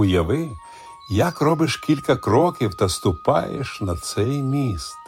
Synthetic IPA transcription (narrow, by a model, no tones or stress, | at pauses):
ʊjɐʋɪ | jɐkrɔbɪʃkʲilʲkɐkɾɔkʲiwt̪ɐst̪ʊpɑjḛʃnɐt̪sɛjmʲist̪